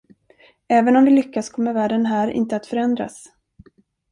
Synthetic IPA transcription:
ɛːvənɔmdɪlʏkːaskʰɔmːəɾvæːɖənɦæːɾʔɪ̰nt̪əat̪fœɾɛnd̪ɾa̰s

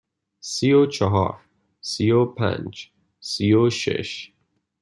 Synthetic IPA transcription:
siot͡ʃʰɔɦɒ̰ːɾ | siopʰæ̰̃nd͡ʒ | sioʃḛʃ

